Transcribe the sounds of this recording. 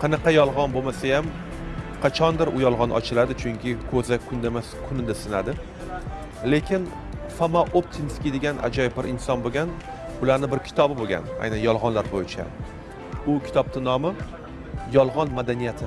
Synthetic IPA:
qʰɑnɑqɑjɒlˠʁɒnbomasajam | qʰɑt͡ʃʰɒnd̪ɪɾʊjɒlˠʁɒnʔɒ̰t͡ʃʰɪlad̪ɪt͡ʃʰʊŋkʲʰɪkʰɵzakʰʊnd̪ama | kʰʊnɪd̪asɪnad̪ɪ | le̞kʲʰɪn | famaʔop̚t̪ʰɪmɪskʲid̪eɡʲanʔa̰d͡ʒɒjbɪɾʔɪnsɒnboɡʲan | ʊlaɾnɪbɪɾkʲʰɪ̥t̪ʰɒbɪboɡʲa̰na̰jnanjɒlˠʁɒnlaɾbojɪt͡ʃʰa̰ | ʊkʲʰɪ̥t̪ʰɒb̚t̪ɪnɒmɪ | jɒlˠʁɒnmad̪anijat̪ʰɪ

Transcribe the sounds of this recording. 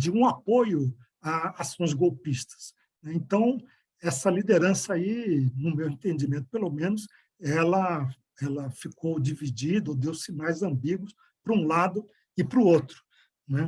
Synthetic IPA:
d͡ʒɪũapojʊ | aasõzɡowpist̪ɐ̥s | nɛẽnt̪ɐ̃w̃ | ɛsɐlid̪eɾɐ̃sɐainʊmewẽnt̪ẽd͡ʒimẽnt̪ʊ̥pelomẽnʊs | ɛlɐ | ɛlɐfikowd͡ʒivid͡ʒid̪ɐod̪ewsɪnajzɐ̃mbiɡʊs | pɾʊũlad̪ʊ | ɪpɾʊot̪ɾʊ̥ | nɛ

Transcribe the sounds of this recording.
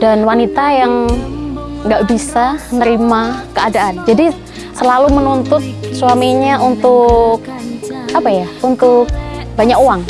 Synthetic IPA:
danwanit̪ajaŋ | ŋɡaʔbisanəɾimakəadaʔand͡ʒadi | səlalumənunt̪ʊt̪̚suwamiɲaunt̪ʊk̚apajaunt̪ʊk̚baɲakoaŋ

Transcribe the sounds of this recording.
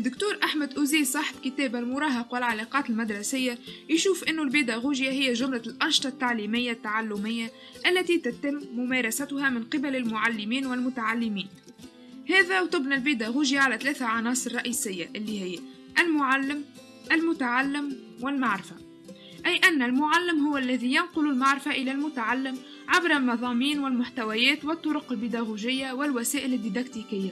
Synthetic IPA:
d̪ːʊkt̪uːɾʔaħmæd̪ʔuziːlsˤɑħbkɪt̪ɛːbælmʊɾˤɑːɦɑqwɪlʕalɑqɑːt̪ɪlmad̪ɾˤɑsɪjːajʃuːfʔɪnːʊlbiːd̪aɣuːʒjaɦɪjːæʒʊmlalʔɑnʃt̪ˤɑt̪ːaʕliːmɪjːat̪ːaʕalːʊmɪjːa | ʔælːæt̪it̪æt̪ɪmːʊmɛːɾˤɑsæt̪ʊhæmɪnqɪbælɪlmʊʕalːɪmiːnwɪlmʊt̪aʕalːɪmiːn | hɛːðæwt̪ʊbnɪlbid̪æɣuːʒjaʕalæt̪lɛːθaʕɑnɑːsˤɨɾˤɑʔiːsɪjːa̰ʔɪlːihɪjːa | ʔælmʊʕalːɪm | ʔɪlmʊt̪aʕalːɪmwɪlmaʕɾɪfa | ʔæjʔænːælmʊʕalːɪmɦʊwːlːæðijɑnqʊlʊlmaʕɾɪfaʔɪlælmʊt̪aʕalːɪm | ʕabɾˤɑlmɑðˤɑːmiːnwɪlmʊħt̪awæjɛːt̪wɪt̪ˤːʊɾʊqɪlbid̪aɣuʒɪjːawɪlwæsɛːʔɪlɪd̪ːid̪ɑkt̪ikɪjːa

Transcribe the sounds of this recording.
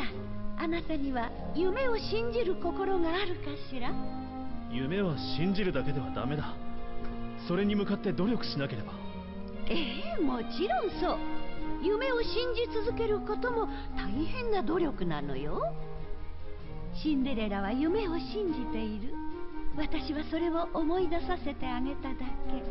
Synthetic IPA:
a | anat̪aɲ̟iβa | jɯme̞o̞ɕĩɲ̟d͡ʑiɾɯ̟ko̞ko̞ɾo̞ɡaːɾɯ̟kaɕiɾa | jɯ̟me̞β̞aɕĩɲ̟d͡ʑiɾɯ̟d̪ake̞d̪e̞β̞ad̪a̰me̞d̪a | so̞ɾe̞ɲ̟imɯ̟kat̪ːe̞d̪o̞ɾʲo̞kɯ̟̥ɕinake̞ɾe̞ba | emo̞t͡ɕiɾõ̞ɰ̃so̞ːjɯ̟me̞o̞ɕĩɲ̟d͡ʑit͡sɨzɨke̞ɾɯ̟ko̞t̪o̞mo̞t̪aihẽ̞nːad̪o̞ɾʲo̞kɯ̟nano̞̰jo | ɕĩnd̪e̞ɾe̞ɾaβ̞ajɯ̟me̞o̞ɕĩɲ̟d͡ʑit̪e̞iɾɯ̟βat̪aɕiβaso̞ɾe̞βo̞ʔomo̞id̪asase̞t̪e̞aɡe̞t̪ad̪ake̞

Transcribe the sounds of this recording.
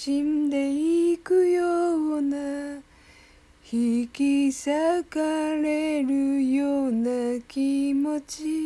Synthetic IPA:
ɕind̪e̞ikɯjona | çikʲisakaɾe̞ɾɯjoːnakʲimo̞t͡ɕi

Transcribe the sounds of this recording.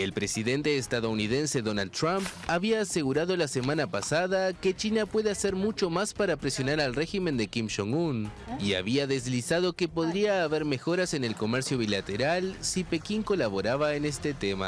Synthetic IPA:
e̞lpɾe̞siðe̞nt̪e̞ːst̪aðo̞unið̞e̞nse̞ðo̞nald̪t̪ɾampaβiaːse̞ɣuɾaðo̞lase̞mãnapasaðake̞t͡ʃinapwe̞ðease̞ɾmut͡ʃo̞maspaɾapɾe̞sjo̞naɾalre̞ximẽ̞nd̪e̞kimʃoŋun | ia̰βiaðe̞zlisað̞o̞ke̞po̞ðɾiaːβe̞ɾme̞xo̞ɾase̞ne̞lko̞me̞ɾsjo̞β̞ilat̪e̞ɾalsipe̞kiŋko̞laβo̞ɾaβaene̞st̪e̞t̪e̞ma̰

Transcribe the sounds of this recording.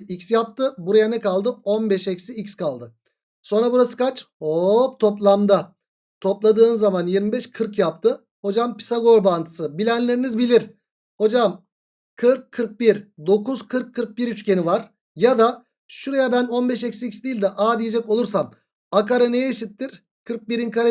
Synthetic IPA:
icsjap̚t̪ʰɯbuɾajanɛkalˠd̪ɯo̞nbɛʃɛcsiicskʰalˠd̪ɯ | so̞nɾabuɾasɯ̥kʰat͡ʃhopt̪ʰo̞plˠamd̪a | t̪ʰo̞plˠad̪ɯːnɯzːamanjiɾmibɛʃkʰɯɾkjap̚t̪ʰɯ | ho̞d͡ʒampi̥saɡo̞ɾbant̪ʰɯ̥sɯbilʲænlʲe̞ɾinizbilʲiɾ | ho̞d͡ʒam | kʰɯɾkʰːɯɾk̚biɾd̪o̞kuzkʰɯɾkʰːɯɾk̚biɾyt͡ʃcʰe̞nivaɾ | jad̪a | ʃuɾajabæno̞nbɛʃɛcsiicsd̪iːlʲd̪ɛʔaːd̪ijed͡ʒɛko̞lˠuɾsam | akaɾanejɛiʃit̪ːiɾ̥ | kʰɯɾk̚biɾinkʰaɾa

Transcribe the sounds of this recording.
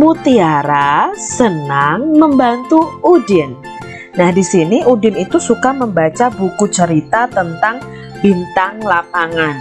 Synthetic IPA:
mut̪iaɾasənaŋməmbant̪uudɪnː | ahdisiniʔudɪnit̪usukaməmbat͡ʃabukut͡ʃəɾit̪at̪ənt̪aŋ | bint̪aŋlapaŋan

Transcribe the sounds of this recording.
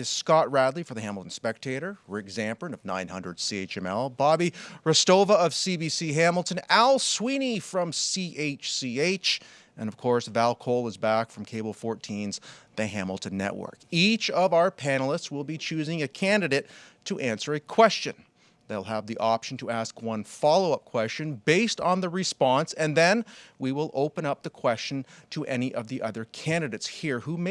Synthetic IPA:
ɨz̥skɑt̚ɹædˡlˠifə˞ðɨɦæ̃ml̩ˠtn̩spɛk̚tʰeɪɾə˞ɹɪkzæ̃mpɹɨ̃nʌvnã̰ɪ̃nhʌ̃ndɹəd̥sieɪt͡ʃɛ̃mɛlˠbɑbiɹɨstoʊvəʌv̥sibisiɦæ̃ml̩ˠtʰɨ̃nælˠswĩnifɹʌ̃msiʔeɪt͡ʃsieɪt͡ʃ | ʔɨ̃nʌv̥kʰɔɹsvælˠkʰoʊlˠəzbækfɹʌ̃mkʰeɪbl̩ˠfɔɹtʰĩnzðɨɦæ̃ml̩ˠtɨ̃nːɛ̰ʔwɜ̰˞kit͡ʃʌvaʊə˞pʰænl̩ˠəstswəlˠbit͡ʃʰʉzɪ̃ŋɨkʰæ̃ndɨɾeɪt̚ʰ | ɨʔæ̃nsə˞ɨkʰw̥ɛst͡ʃɨ̰̃n | ðeɪlˠəvðiʔɑpʃn̩tʰəæskwʌ̃nfɑlˠoʊʌp̚kʰw̥ɛst͡ʃɨ̃nbeɪstn̩ðɨɹɨspɑ̃nsɨ̃nðɨ̃nwiwɪlˠʔoʊpɨ̃nʌp̚ðɨkʰw̥ɛst͡ʃɨ̃ntʰəʔɛniʔʌvðiʔʌðə˞kʰæ̃ndɨɾɨɪtshiɹhum

